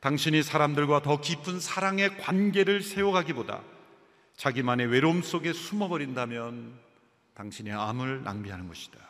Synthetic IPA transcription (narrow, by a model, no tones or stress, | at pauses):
taŋɕʰiɲisʰaɾamdɯɭɡwatʌkipʰɯnsʰaɾaŋe̞kwanɡe̞ɾɯɭsʰe̞joɡaɡiboda̰ | t͡ɕaɡimane̞we̞ɾoms͈oɡe̞sʰumʌbʌɾindamjʌn | taŋɕʰineamɯɭːa̰ŋbiɦanɯnɡʌɕʰi̥d̥a